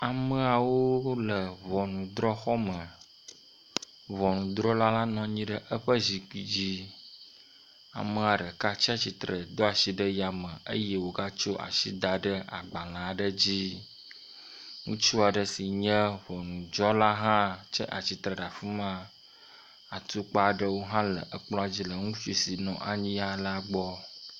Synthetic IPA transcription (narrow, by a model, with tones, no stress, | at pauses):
a˨mə̃˦a˨wo˦lə˨βɔ˨nũ˨d̪ɾɔ˦xɔ˦mə˨ | βɔ˨nũ˨d̪ɾɔ˦la˦la˦nɔ̃˨ɲĩ˦ɖə˦ʔə˦ɸə˦zi˨ki˨d͡ʑi˦ | a̰˨mə˦a˨ɖə˨ka˦t͡ɕi˦a˨t͡ɕi˨t̪ɾə˨d̪ɔ˦a˨si˦ɖə˦ja˨mə˨ə̰˦jɛ˦wo˨ɡa˦t͡ʃo˦ʔa̰˨ʃi˦d̪a˨ɖə˦a̰˨ɡ͡ba˨lã˨ɖə˦d͡ʑi˦ | ŋũ˦t͡ʃu˦a˨ɖə˨si˨ɲə̃˦ɸo˨nũ˨d͡ʒɔ˦la˦ɦã˦t͡ʃə˦ʔa̰˨t͡ɕi˨t̪ɾə˨ɖa˨fu˦mã˦ | a˨t̪u˦k͡pa˦˨ɖə˦wo˦ɦã˦lə̰˨ʔə˨k͡plɔ̃˦a˨d͡ʑi˦lə˨ŋũ˦fi˨si˨nɔ̰̃˨ʔa̰˨ɲĩ˦a˦la˦ɡ͡bɔ˦